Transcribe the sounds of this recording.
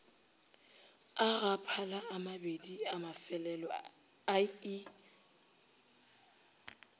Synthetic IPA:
aɣapʰalaamabediamafɛlɛlɔ | ai

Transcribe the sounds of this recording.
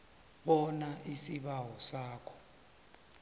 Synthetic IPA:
ɓɔnaʔisiɓawɔsaːkʰɔ̥

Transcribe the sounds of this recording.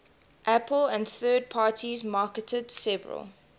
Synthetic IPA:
ʔæpələ̃ndθɜːd̚pʰɑːtʰizmɑˑkətʰəd̥sɛvə̰ɹə̰lˠ

